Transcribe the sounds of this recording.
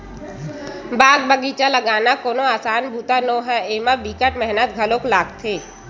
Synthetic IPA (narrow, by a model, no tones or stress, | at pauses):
baːɡbəɡiːt͡ʃaləɡaːnakoːnoaːsaːnbʱuːt̪anoːɦɛeːmabikəʈmɛɦnət̪̚ɡʱəloklaːɡt̪ʰeː